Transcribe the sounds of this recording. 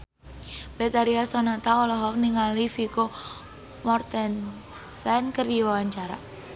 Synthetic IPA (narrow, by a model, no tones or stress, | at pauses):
bɛt̪aɾiasɔnat̪aɔlɔɦɔk̚niŋalifiko | mɔrt̪ɛn | sɛnkərdiwawaɲt͡ʃaɾa̰